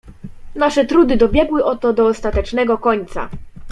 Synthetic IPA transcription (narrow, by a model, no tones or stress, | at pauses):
naʂɛt̪ɾud̪ɘd̪ɔbʲjɛɡwɘʔɔt̪ɔd̪ɔːst̪at̪ɛt͡ʂnɛɡɔkɔɲt̪sa̰